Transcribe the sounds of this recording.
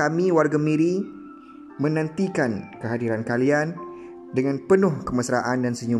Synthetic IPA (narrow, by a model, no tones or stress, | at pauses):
amĩwarɡamĩɾi | mə̃nə̃nt̪ikankəɦadiɾankalian | dəŋãnpənʊhkəməsɾaʔandansəɲu